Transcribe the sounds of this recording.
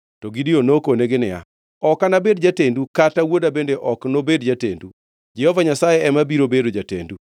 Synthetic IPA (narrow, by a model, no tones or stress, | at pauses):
tɔɡidionokoneɡɪnɪja̰ | ɔkanabedd͡ʒatendukatawodabendeʔɔknobedd͡ʒatendu | d͡ʒɛhovaɲasajeɛmabiɾobedod͡ʒatḛndu